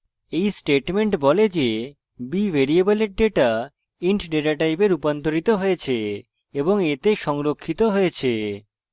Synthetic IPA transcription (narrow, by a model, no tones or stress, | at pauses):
ejsʈeʈmeɳʈbɔled͡ʑe | bibʱeɾieboleɾɖeʈa | iɳʈɖeʈaʈajbeɾupant̪oɾit̪oɦoet͡ɕʰe | eboŋet̪eʃɔŋɾokʰːit̪oɦoet͡ɕʰe